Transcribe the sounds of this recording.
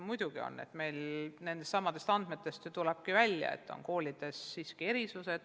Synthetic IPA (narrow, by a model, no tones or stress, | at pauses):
mujd̪uɡ̥io̰nːe̞̰t̪ːˑme̞jlne̞nest̪sɑmːɑd̪̥e̞st̪ɑnd̪̥me̞t̪ːˑe̞st̪t̪ulɛb̥̚kivælʲjɑ̰ḛt̪ːˑo̞̰nko̞ːlʲid̪̥e̞sːiːskie̞ɾisuse̞d̪̥